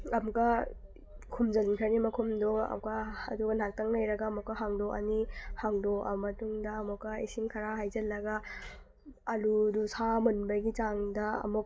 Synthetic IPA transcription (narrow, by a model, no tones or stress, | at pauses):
ɐmukɐ | kʰumd͡ʒɐlnkʰɐɾnimɐkʰumdoɐ̰kɐɐduɡɐnak̚tɐŋlɐjɾɐɡɐːmɔkːɐɦaŋdoʔɐ̰nihaŋdoʔɐ̰mɐtuŋdɐːmukːɐisimkʰɐɾaɦajzɐlːɐɡɐ | ɐludusamunbɐɡit͡ʃaŋdɐɐ̰muk̚